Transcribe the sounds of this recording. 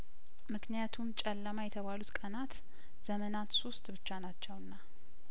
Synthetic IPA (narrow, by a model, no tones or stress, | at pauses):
mɨknijat̪ʰumt͡ʃʼɛlːəmajɛt̪ʰəβalut̪kʼənat̪ | z̥əmənat̪so̞st̪ʼbɨt͡ʃːanat͡ʃːɛwɨnːa